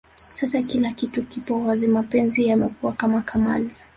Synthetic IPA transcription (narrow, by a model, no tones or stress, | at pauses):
sasakilakitukipɔwazimapɛnziamɛkuwakamakʰama̰li